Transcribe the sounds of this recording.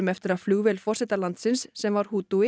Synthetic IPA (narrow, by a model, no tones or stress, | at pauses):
mɛft̪ɪɾaðfluːɣvɛlfɔr̥sɪt̪alant̪sɪnsːɛmvaɾ̥huːt̪uɪ